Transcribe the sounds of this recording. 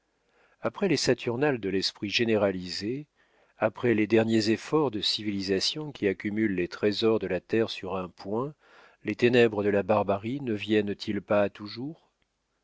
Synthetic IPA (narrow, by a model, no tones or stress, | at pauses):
apχɛlesat̪ʰyʁnald̪əlɛspχiʒeneʁalize | apχɛled̪ɛʁnjezefɔʁd̪əsivilizasjɔ̃kʲiakʲymylːet̪χezɔʁd̪əlat̪ɛʁsyʁɛ̃pwɛ̃ | let̪enɛbʁəd̪əlabaʁbaʁinəvjɛnt̪ʰilpaːt̪uʒuːʁ